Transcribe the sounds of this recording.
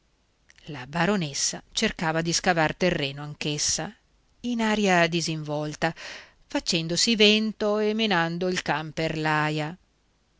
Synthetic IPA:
labaɾonesːat͡ʃerkaːvad̪iskavart̪erːeːnoaŋkesːa | inaːɾjad̪iziɱvɔlt̪a | fat͡ʃɛnd̪osivɛnt̪oemenand̪oilkamperlaːja

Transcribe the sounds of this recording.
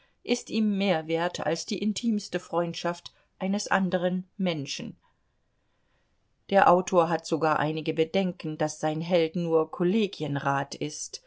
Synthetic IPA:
ʔɪstʔiːmːeːɐveːɐtʰa̰lsd̥iːʔɪntʰiːmstəfʁ̥ɔʏntʃaft | ʔaɪnəsʔa̰ndəʁ̞ənmɛnʃn̩ | d̥eːɐʔaʊtʰoːɐɦatz̥oɡaːɐʔa̰ɪnɪɡəbədɛŋkn̩d̥asz̥aɪnɦɛltnuːɐkʰoleːɡiənʁaːtʰɪst

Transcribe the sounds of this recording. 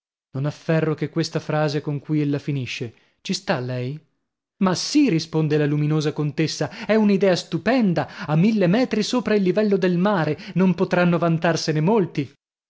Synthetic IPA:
nonafːɛrːokekːwest̪afɾaːzekoŋkujelːafiniʃːe | t͡ʃist̪alːɛj | masirispond̪elaluminoːzakont̪esːaɛunid̪ɛːast̪upɛnd̪aamːilːemɛːt̪ɾisoːpɾailːivɛlːod̪elmaːɾenompot̪ɾanːovant̪arsenemolt̪i

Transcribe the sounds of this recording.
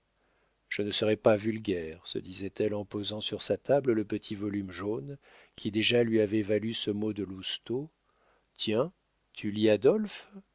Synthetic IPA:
ʒ̥ənəsəʁɛpavylɡʲɛʁsə̰d̪izɛt̪ɛlɑ̃pozɑ̃syʁsat̪ablələpət̪ʰivɔlymʒon | kʲʰid̪eʒalɥiavɛvalysəmod̪əlust̪o | t̪jɛ̃ | t̪ʰyliad̪ɔlf

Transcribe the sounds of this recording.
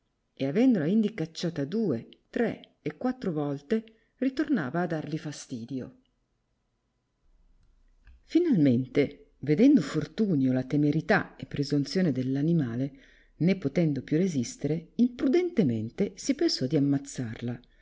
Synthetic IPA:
eavɛnd̪olaind̪ikat͡ʃːaːt̪ad̪uːet̪ɾeː | kːwat̪ːɾovɔlt̪e | rit̪ornaːvaːd̪ːarlifast̪iːd̪jo | finalment̪e | ved̪ɛnd̪ofort̪uːnjolat̪emeɾit̪aepːɾezunt̪sjoːned̪elːanimaːle | nepːot̪ɛnd̪opjurezist̪eɾeimpɾud̪ent̪emḛnt̪esipensɔd̪iamːat̪sːarla

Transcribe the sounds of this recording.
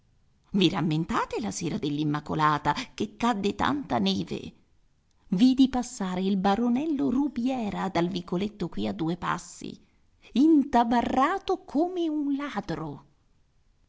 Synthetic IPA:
viɾamːent̪aːt̪elaseːɾad̪elːimːakolaːt̪akekːad̪ːet̪a̰nt̪anɛːvḛ | vid̪ipasːaːɾeilbaɾonɛlːorubjɛːɾad̪alvikolet̪ːokwiad̪ːuːepa̰sːḭ | int̪abarːaːt̪okʰomeunlaːd̪ɾo

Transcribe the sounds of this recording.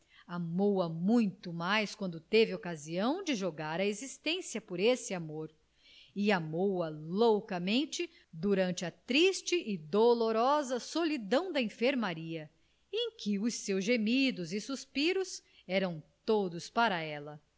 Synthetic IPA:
amowɐmũj̃t̪ʊmajskwɐ̃nd̪ʊt̪evɪokaziɐ̃w̃d͡ʒɪʒoɡaɾɐezist̪ẽsiɐpoɾesɪamoɾ | ɪamowɐlowkɐmẽnt͡ʃɪ | d̪uɾɐ̃nt͡ʃɪɐt̪ɾist͡ʃɪʔɪd̪oloɾɔzɐsolid̪ɐ̃w̃d̪ɐẽfeɾmaɾiɐ | ẽj̃kʰɪʊsːewzʒemid̪ʊzɪsuspiɾʊs | ɛɾɐ̃w̃t̪od̪ʊspaɾɐɛlɐ

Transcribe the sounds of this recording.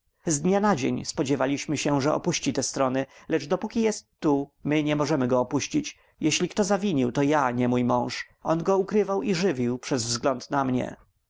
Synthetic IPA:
zd̪ɲanad͡ʑḛɲspɔd͡ʑɛvalʲiɕmɘɕɛʐɛʔɔ̰puɕt͡ɕit̪ɛst̪ɾɔnɘlɛʐd̪ɔpukʲijɛst̪ːumɘɲɛmɔʐɛmɘɡɔːpuɕt͡ɕit͡ɕ | jɛɕlʲikt̪ɔzavʲiɲiwt̪ɔjaɲɛmujmɔ̃w̃ʂ | ɔnɡɔukɾɘvawiʐɘvʲiwpʂɛzvzɡlɔnt̪namɲɛ̰

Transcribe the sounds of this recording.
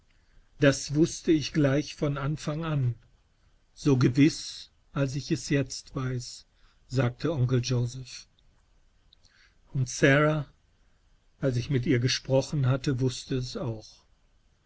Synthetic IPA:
d̥asv̥ʊstəɪçɡ̥laɪçfɔnanfaŋan | z̥oːɡəvɪs | ʔals̬ɪçɛsjɛt͡stv̥aɪs | z̥aːk̚tʰəɔŋkl̩d͡ʒoʊzɛf | ʊntsɛʁa | ʔals̬ɪçmɪtʔiːɐɡəʃpʁ̥ɔχn̩ɦatəvʊstəɛsaʊx

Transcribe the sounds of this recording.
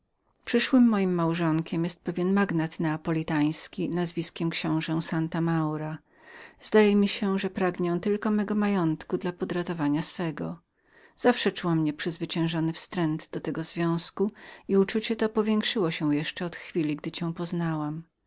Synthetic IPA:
pʂɘʂwɘmːɔjimːawʐɔŋkʲɛmjɛst̪̚pɛvʲjɛnmaɡnat̪nɛapɔlʲit̪aj̃skʲinazvʲiskʲɛmkɕɔ̃w̃ʐɛw̃sant̪amawɾa | z̥d̪ajɛmʲiɕɛʐɛpɾaɡɲɛw̃t̪ɘlkɔmɛɡɔmajɔnt̪kud̪lapɔd̪ɾat̪ɔvaɲasfɛɡɔ | z̥afʂɛt͡ʂuwamɲɛpʂɘzvɘt͡ɕɛ̃w̃ʐɔnɘfst̪ɾɛnd̪d̪ɔt̪ɛɡɔzvʲjɔ̃w̃skuiut͡ʂut͡ɕɛt̪ɔpɔvʲjɛ̃ŋkʂɘwɔɕɛ̃w̃jɛʂt͡ʂɛɔt̪xfʲilʲiɡd̪ɘt͡ɕɛ̃w̃pɔznawam

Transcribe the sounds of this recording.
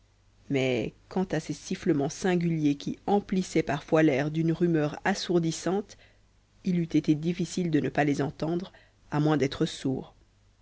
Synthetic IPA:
mɛ̰kɑ̃t̪asesifləmɑ̃sɛ̃ɡʲyljekʲiɑ̃plisɛpaʁfwalɛʁd̪ynʁymœːʁasuʁd̪isɑ̃t̪ | ilyt̪et̪ed̪ifisild̪ənəpalezɑ̃t̪ɑ̃d̪ʁ | amwɛ̃d̪ɛt̪χəsṵːʁ

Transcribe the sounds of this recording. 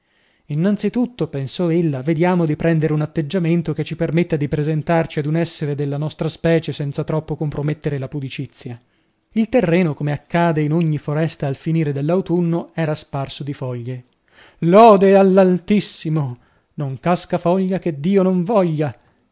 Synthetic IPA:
inːant̪sit̪ut̪ːopensɔelːaved̪jaːmod̪ipɾɛnd̪eɾeunat̪ːed͡ʒːament̪oket͡ʃːipermet̪ːad̪ipɾezent̪art͡ʃiad̪unɛsːeɾed̪elːanɔst̪ɾaspɛːt͡ʃesɛnt̪sat̪ɾɔpːokompɾomet̪ːeɾelapud̪it͡ʃit̪sːja | ilt̪erːɛːnokomeakːaːd̪einoɲːifoɾɛst̪aːlfiniːɾed̪elːawt̪unːoɛːɾasparsod̪ifɔʎːe | lɔːd̪ealːalt̪isːimo | noŋkaskafɔʎːak̟ed̪ːiːonoɱvɔʎːa

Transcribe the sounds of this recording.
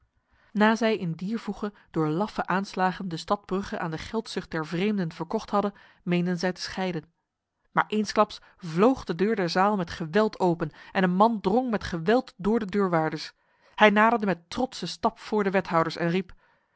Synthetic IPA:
naːzɛjɪndiːɹvuχə | d̥ʊːɹlɑfəʔaːnslaːχəndəstɑd̚brɵχəʔa̰ːndəχɛlˠtsɵχt̚dɛɹvrejmdənv̥əɹkɔχtɦɑdən | mejndənzɛjtə̥sχɛjdən | maːɹʔejnsklɑps | vlowχdədøːɹdɛɹzaːlˠmɛtχəʋɛlˠtʰowpənʔɛnənmɑndroŋmɛtχəʋɛlˠtdʊːɹdədøːɹʋaːɹdəɹs | hɛjnaːdəɹdəmɛtrɔtsəstɑpfʊːɹdəʋɛtɦɑwdəɹsɛ̰nrip

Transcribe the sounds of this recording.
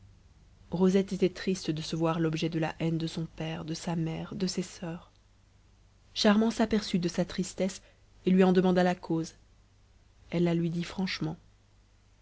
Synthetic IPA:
ʁozɛt̪et̪ɛt̪χist̪d̪əsəvwaʁlɔbʒɛd̪əla̰ʔɛnd̪əsɔ̃pɛʁd̪əsamɛʁd̪əsesœːʁ | ʃaʁmɑ̃sapɛʁsyd̪əsat̪χist̪ɛs | elɥiɑ̃d̪əmɑ̃d̪alakʰoz | ɛlːalɥid̪ifχɑ̃ʃmɑ̃

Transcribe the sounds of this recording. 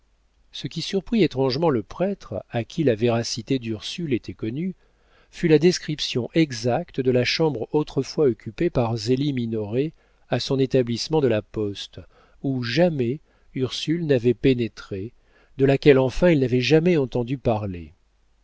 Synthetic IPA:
səkʲisyʁpχiet̪χɑ̃ʒmɑ̃ləpχɛt̪χakʲʰilaveʁasit̪ed̪yʁsylet̪ʰɛkɔny | fylad̪ɛskχipsjɔ̃ʔɛɡzak̚t̪əd̪əlaʃɑ̃bʁot̪χəfwaɔkʲʰypepaʁzeliminɔʁe | asɔ̃net̪ablismɑ̃d̪əlapɔst̪ | uʒamɛ | yʁsylnavɛpenet̪χe | d̪əlakʲɛlɑ̃fɛ̃ilnavɛʒamɛɑ̃t̪ɑ̃d̪ypaʁlḛ

